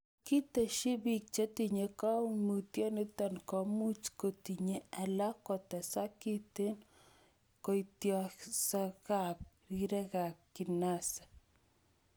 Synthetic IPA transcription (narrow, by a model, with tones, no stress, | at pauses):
ki˦t̪e˨ʃi˦bi˨k̚t͡ʃe˦t̪i˨ɲe˨kɔ˦mu˨t̪jɔ˦ne˦t̪a˦nkɔ˨mu˦t͡ʃko˨t̪i˨ɲe˦a˨la˦ko˨t̪ɛ˨sa˦ki˦t̪e˦n | ko˨itjɔsa˦ka˨p̚ | ɾi˦ɾe˦ɣa˨kːi˨na˦sḁ˨